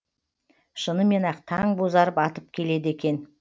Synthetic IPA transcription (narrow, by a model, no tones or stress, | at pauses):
ʃənəme̞nɑqt̪ʰɑɴbozɑɾəpɑt̪əp̚kʲʰe̞le̞d̪e̞kʲe̞n